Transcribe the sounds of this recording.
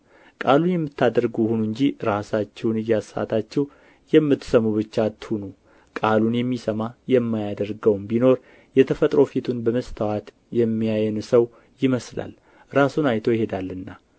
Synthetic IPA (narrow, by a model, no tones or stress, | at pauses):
kʼalunjɛmːɨt̪ʰːad̪əɾɡuhunuɨɲd͡ʒiɾasat͡ʃːɛwnɨjasa̰t̪ʰat͡ʃːɛw | jɛmːɨt̪ːsəmːuβɨt͡ʃːat̪ːhunu | kʼalunjɛmːisəmajɛmːajad̪əɾɡəwmbino̞ɾ | jɛt̪ʰəfət̪ʼɾo̞fit̪ʰunbəməst̪ʰawat̪ | jɛmːijajɛnsəw | jɪməsla̰l | ɾasunajt̪ʰo̞jɪhe̞d̪alːɨnːa